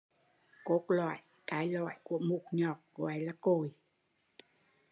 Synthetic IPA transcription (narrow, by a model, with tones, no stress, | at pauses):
ko˨˦t̚lwa̰ː˧˨jʔ | kaː˨˦jlwa̰ː˧˨jku˧˩əmu˨˩t̚ɲɔ˨˩k̚kwaː˨˦jlaː˧˩ko˨˩j